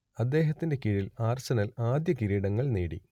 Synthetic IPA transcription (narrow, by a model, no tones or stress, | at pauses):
ɐd̪ːe̞ːɦɐt̪ːinde̞kiɻilaːrsɐnɐlaːd̪jɐkiɾiːɽɐŋːɐɭneːɽḭ